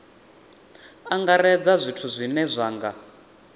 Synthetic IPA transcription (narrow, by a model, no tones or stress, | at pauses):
aŋɡaɾɛd͡zazʷitʰuzʷinɛzʷaːŋɡa